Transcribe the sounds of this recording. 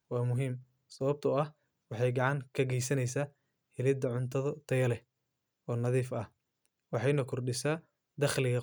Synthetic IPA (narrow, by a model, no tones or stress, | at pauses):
wɑːmʊɦiːm | sɐβɐb̚t̪ʰɐɐh | wɑħɑjɡɑʕɑŋkʰɐɡɛjsɐnɛjsaː | hɪlɪd̪ɐʕʊnt̪ʰɐðɔt̪ʰɐjɐlɛ | ɔːnɐðiːfɐh | wɑħɑjnɐkʰʊrɖɪsaː | d̪ɐχlɪɣɐ